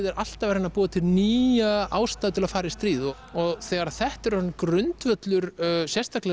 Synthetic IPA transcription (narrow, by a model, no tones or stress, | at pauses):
ðɛɾʔal̥t̪avɛɾɛnːapuːat̪ʰɪlniːaaːwst̪aːðt̪ʰɪlaðfaːɾist̪ɾiːðɔ | ɔɣθɛːɣaɾaθɛht̪ɛɾhanːkɾʏnt̪vœt̪lʏɾsjɛrst̪aklɛ